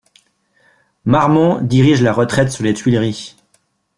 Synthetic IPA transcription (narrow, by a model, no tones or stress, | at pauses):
maʁmɔ̃d̪iʁiʒlaʁət̪χɛt̪syʁlet̪ɥilʁi